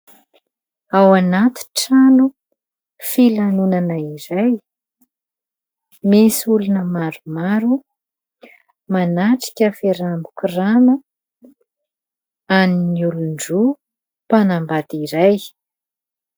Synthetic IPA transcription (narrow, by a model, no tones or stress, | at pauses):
awanat̪i̥ʈ͡ʂanu | filanunanəiɾaj | mesulunəmaɾumaɾu | manaʈ͡ʂi̥kʲəfeɾambukuranə | aniniuluɳɖ͡ʐu | panambad̪iɾaj